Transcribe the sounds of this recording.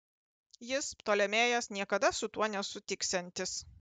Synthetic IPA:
jɪst̪oːlʲɛmʲeːjɛsnʲiɛkɐd̪ɐsʊt̪uɔnʲɛsʊt̪ʲɪksʲɛnʲt̪ʲɪs

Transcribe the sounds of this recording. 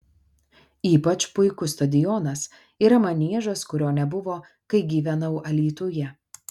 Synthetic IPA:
iːpɐt͡ʃpʊɪkʊst̪ɐd̪ʲɪjɔnɐs | iːɾɐmɐnʲiɛʒɐskʊɾʲoːnʲɛbʊʋoː | kɐɪɡʲiːʋʲɛnɐʊʔɐlʲiːt̪uːjɛ

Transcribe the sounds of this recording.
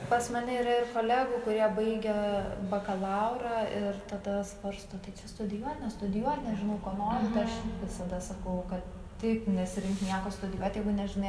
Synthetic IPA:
pɐsmɐnʲɪiːɾɐɪrkoːlʲæːɡʊːkʊɾʲiɛbɐɪɡʲɛbɐkɐlˠɑʊɾɑːɪrt̪ɐd̪ɐspɐɾst̪oːt̪ɐɪt͡ʃʲɛst̪ʊd̪ʲɪjuɔt̪nʲɛst̪ʊd̪ʲɪjuɔt̪ʲnʲɛʒʲɪnɐʊkuɔnoːɾʲʊt̪ɐɪɐʃʋʲɪsɐd̪ɐsɐkɐʊkɐt̪ | t̪ʲɪɪpnʲɛsʲɪɾʲɪŋknʲiɛkoːst̪ʊdʲɪjuɔtʲjɛɪɡʊnʲɛʒʲɪnɐɪ

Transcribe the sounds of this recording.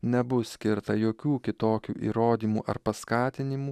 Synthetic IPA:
nʲɛbʊsʲkʲɪɾt̪ɐjoːkʲuːkʲɪt̪oːkʲṵːʔḭːɾoːd̪ʲiːmṵːʔɐɾpɐskɑːt̪ʲɪnʲɪmuː

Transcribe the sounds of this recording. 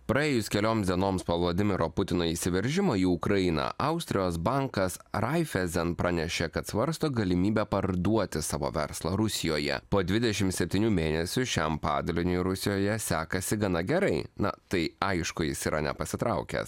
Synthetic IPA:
pɾɐeːjʊskʲɛlʲoːmsd̪ʲiɛnoːmspoːʋlˠoːd̪ʲɪmʲɪɾoːpʊt̪ʲɪnoːisʲɪʋʲɛɾʲʒʲɪmoːiːʊkɾɐjɪnɐ̰ʔɐʊsʲt̪ʲɾʲɪjoːsbɐŋkɐsɾɐɪfʲɛzʲɛnpɾɑnʲɛʃʲeːkɐt̪sʋɐɾst̪oːɡɐlʲɪmʲiːbʲɛpɐɾd̪uɔt̪ʲɪsɑːʋo̰ːʋʲɛ̰ɾslˠɐɾʊsʲɪjoːjɛ̰poːd̪ʲʋʲɪd̪ʲɛʃʲɪmt̪sʲɛpʲt̪ʲiːnʲuːmʲeːnʲɛsʲʊʃʲɛmpɑːd̪ɐlʲɪnʲʊjɾʊsʲɪjoːjɛsʲæːkɐsʲɪɡɐnɐɡʲɛɾɐɪnɐ̰t̪ɐɪɐɪʃkʊjɪsiːɾʔɐ̰nʲɛ̰pɐsʲɪt̪ɾɐʊkʲɛ̰s

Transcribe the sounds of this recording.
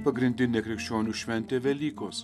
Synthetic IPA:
pɐɡɾʲɪnʲd̪ʲɪnʲeːkɾʲɪkʃʲt͡ʃʲoːnʲuːʃʲʋʲɛnʲt̪ʲeːʋʲɛlʲiːkoːs

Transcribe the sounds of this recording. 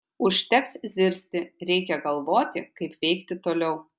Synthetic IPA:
ʊʃʲt̪ʲɛkszʲɪɾʲsʲt̪ʲɪɾʲɛɪkʲɛɡɐlˠʋoːt̪ʲɪkɐɪpʋʲɛɪkt̪ʲɪt̪oːlʲɛʊ

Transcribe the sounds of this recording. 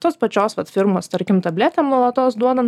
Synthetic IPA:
t̪oːspɐt͡ʃʲoːsʋɐt̪fʲɪɾmoːst̪ɐɾʲkʲɪmt̪ɐbʲlʲæt̪ʲeːmnuɔlˠɐt̪oːsd̪uɔd̪ɐn

